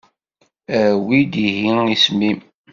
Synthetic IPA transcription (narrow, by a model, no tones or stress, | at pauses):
æwid̪iɦiismim